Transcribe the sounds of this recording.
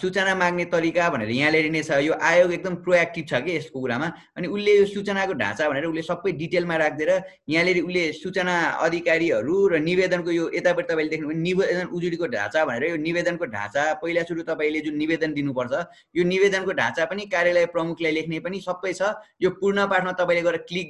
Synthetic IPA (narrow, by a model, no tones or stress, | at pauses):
sut͡sʌnamãɡnet̪ʌɾikabʱʌnḛɾʌjãleɾinet͡sʰʌjoʔajoɡek̚d̪ʌmproak̚ʈibt͡sʰʌkeːskokuɾama | ʌniulːejosut͡sʌnakoɖʱã̰t͡sabʱʌneɾʌulːesʌbːʌjɖiʈelmaɾakʰd̪eɾʌ | jãleɾiulːesut͡sʌnaʌ̰d̪ʱikaɾiʌɾurʌnibed̪ʌnkojoet̪apʌɾit̪ʌpãĩled̪ekʰnupʌninibed̪ʌnud͡zuɽikoɖʱã̰t͡sabʱʌneɾʌjonibed̪ʌnkoɖʱã̰t͡sapʌilasuɾut̪ʌpãĩled͡zunːibed̪ʌnd̪inupʌrt͡sʰʌ | jonibed̪ʌnkoɖʱã̰t͡sapʌnikaɾjalʌjprʌmukʰlajlekʰnepʌnisʌbːʌjt͡sʰʌjopurɳʌpaʈʰmat̪ʌpãĩleɡʌɾeʌklik̚